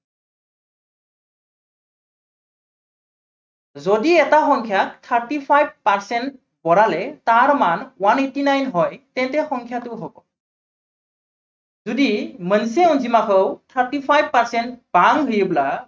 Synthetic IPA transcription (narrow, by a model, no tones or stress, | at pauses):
zɔdiɛtaxɔŋkʰjak̚tʰəɹtipʰajb̚paɹsɛnt̚ | bɔɹalɛtaɹmanwanetinajnɦɔjtɛntɛxɔŋkʰjatʊɦɔɡɔ | zudimənseunzimakʰɔwtʰəɹtipʰajb̚paɹsɛntbaŋɦujebla